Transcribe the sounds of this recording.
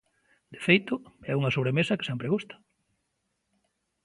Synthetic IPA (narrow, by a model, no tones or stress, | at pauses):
d̪efejt̪ʊɛuŋɐsoβ̞ɾemesɐke̥sɛmpɾeɣust̪ɐ̥